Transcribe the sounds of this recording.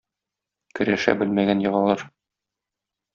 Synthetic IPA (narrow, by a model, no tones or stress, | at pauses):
kɵ̆ɾæʃæ̰bɘlmæɡænjɤ̆ʁɑlˠɑɾ